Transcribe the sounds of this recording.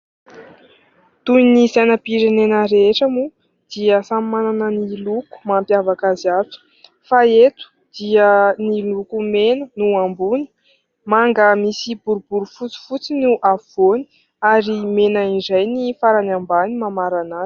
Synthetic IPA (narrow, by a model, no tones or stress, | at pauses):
t̪unizajnəpiɾenenəɾeʈ͡ʂəmu | d̪̥iəsammananəniluku̥mampjavakaziat͡su̥ | faet̪u̥ | d̪̥iənilukumenənuambuni̥ | maŋɡəmisibuɾubuɾufut͡si̥fut͡sinuʔaoni̥ | aɾimenaizajnifaɾanambanimamaɾanḁ